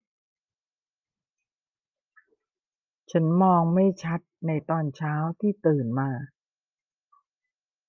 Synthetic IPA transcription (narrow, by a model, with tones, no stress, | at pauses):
t͡ɕʰa˦˥nmɔː˧ŋma˥˩jt͡ɕʰa˦˥t̪̚na˧jt̪ɔː˧nt͡ɕʰaː˦˥wt̪ʰiː˥˩t̪ɯː˨˩nmaː˧